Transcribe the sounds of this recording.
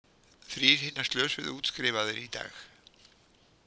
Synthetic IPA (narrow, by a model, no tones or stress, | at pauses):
θɾiɾ̥hɪnːḁst̪lœːsvɪ̰ðuːt̪skɾɪːvaðɪɾit̪a̰ːx